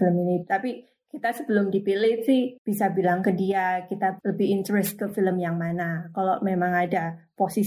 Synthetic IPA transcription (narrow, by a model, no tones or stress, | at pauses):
ləminit̪api | kit̪asəbəlʊmdipilɪsɪhb̥isabilaŋkədiakit̪aləbɪɦint̪əɾɛst̪̚kəfiləmjaŋmanakalomemaŋadaposi